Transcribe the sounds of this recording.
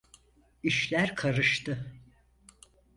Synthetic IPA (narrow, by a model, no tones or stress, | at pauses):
iʃlʲæɾkʰaɾɯʃt̪ʰɯ